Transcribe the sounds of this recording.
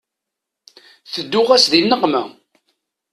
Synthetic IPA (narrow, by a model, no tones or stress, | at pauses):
θəd̪ːʊʁæsðinːəqmæ